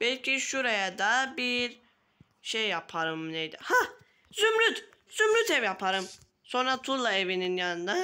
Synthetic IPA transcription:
b̥ɛlʲcʰiʃuɾajad̪abiɾ | ʃejːapʰaɾɯmnejd̪iha | zymlyt̪ | z̥ymɾyt̪ɛvjapʰaɾɯm | so̞nɾat̪ʰulˠːaevininjanɯnd̪a

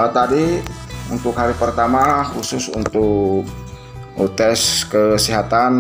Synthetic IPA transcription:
t̪adiunt̪ʊkhaɾipərt̪amaxusʊsṵnt̪ʊkk̚ | t̪ɛskəsiɦat̪an

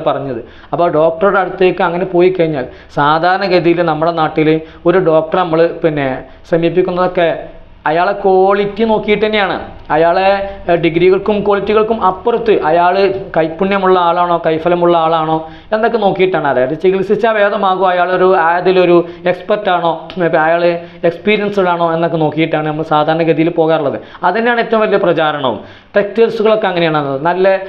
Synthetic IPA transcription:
pɐrɐɲːɐðɨ | ɐpːoːɖo̞ːk̚ʈɐruɽeɐɽut̪ːeːkːɨɐŋːɐne̞po̞ːjikːɐɻiɲːaːl | saːd̪ʱaːɾɐɳɐɡeðijilnɐmːuɽe̞naːʈːil | o̞ɾuɖo̞ːk̚ʈɐrnɐmːɐɭɨpinːe̞ | ɕɐmjip̬ːikʲːunːɐðo̞kːe̞ | ɐjaːɭeko̞ːɭitʲːɨno̞ːkːijiʈːɐnːejaːɳɨ̰ | ɐjaːɭeɖiɡɾiɣɐɭkumkoːɭitʲːiɣɐɭkumʔɐpːɐrut̪ːɨʔɐjaːɭɨkɐjpːuɳːjɐmuɭːɐaːɭaːɳo̞ːkɐjfɐlɐmuɭːɐaːɭaːɳo̞ː | e̞nːokːeno̞ːkːijiʈːaːɳɨɐðaːjaːet͡ɕiɣilsit͡ɕːaːʋe̞ːd̪ɐmaːɣuɐjaːɭo̞ɾuaːd̪ilo̞ɾue̞kspɐrtːaːɳo̞ːɐjaːɭ | ekspiːɾijɐnsuɣɐɭaːɳo̞ːe̞nːokːe̞no̞ːkːijiʈːaːɳɨnɐmːɐɭsaːd̪ʱaːɾɐɳɐɡɐðijilpo̞ːɣaːɾuɭːɐðɨ̰ | ɐðinjaːɳe̞tːɐʋũmʋɐlijɐprɐt͡ɕaːɾɐɳɐ̰ṵm | ʈek̚telsuɣɐɭo̞kːeɐŋːɐnejaːɳɐnːɐðɨnɐlːɐ

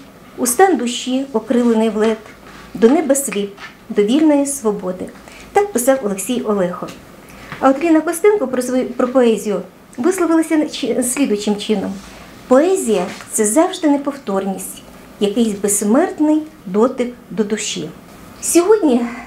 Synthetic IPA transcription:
ust̪ɑnd̪ʊʃːiɔkɾɪlˠɪnɪjwlˠɛt̪ | d̪ɔnɛbɛsʲlʲip̚ | d̪ɔʋʲilʲnɔjisʋɔbɔd̪ɪ | t̪ɑkpɪsɑwɔlˠeksʲijɔlˠɛxɔ | ɐɔt̪ʲlʲinɐkɔst̪ɛnkʊpɾɔpɔɛzʲijʊ | ʋɪslˠɔʋɪlˠɐsʲɐsʲlʲid̪ʊjt͡ʃɪmt͡ʃɪnɔm | pɔɛzʲijɐt̪sɛzɑwʒd̪ɪnepɔwt̪ɔrnʲisʲtʲ | jɐkɪjsʲbessmɛrt̪nɪjd̪ɔt̪ɪkd̪ɔd̪ʊʃḭ | sʲɔɦɔdʲnʲi

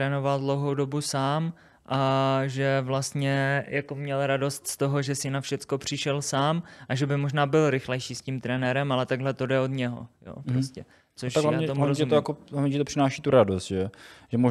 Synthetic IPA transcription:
ɾɛno̞valdlowɦowdo̞busaːm | ʔaʒɛvlast̪ɲɛjʔako̞mɲɛlɾado̞st̪st̪o̞ɦo̞ʒɛsɪnafʃɛt͡sko̞pr̝̥ɪʃɛlsaːmʔaʒɛbɪmoʒnaːbɪlɾɪxlɛjʃiːscimt̪ɾɛnɛɾɛmalɛt̪aɡɦlɛt̪o̞dɛo̞dɲɛɦo̰jo̰ːpɾoscɛ | t͡soʃt̪aklaaːɲɛoaɾozɛumiojakolavɲɛʒɛt̪oprɪnaːʃiːt̪uɾadost̪ʒɛʒɛmo

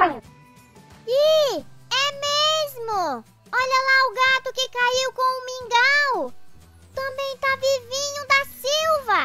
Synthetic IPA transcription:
i | ɛmezmʊ | ɔʎɐlaʊɡat̪ʊkɪkaiwkõw̃ʊmĩŋɡaw | t̪ɐ̃bẽj̃t̪avivĩɲʊ̃d̪ɐsiwvɐ

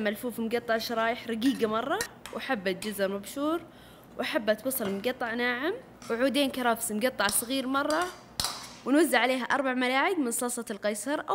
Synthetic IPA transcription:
malfuːfmɡɑt̪ˤːɑʕʃɑɾˤɑːjɪħɾˤɑɡiːɡamɑrˤːɑwʔaħabːat̪̚d͡ʒʊzɑɾˤmabʃuːɾˤ | wʔaħabːat̪wɑsˤɑlmmɡɑt̪ˤːɑʕnaːʕɪm | wʕuːd̪eːnkɑɾˤɑfsmɡɑt̪ˤːɑʕsˤɣiːɾmɑrˤːɑ | wɪnwazːɪʕaleːɦaʔɑɾˤbaʕmalaːʕɪɡmɪnsˤɑːsˤɑt̪ɪlqɑjsɑɾˤʔa

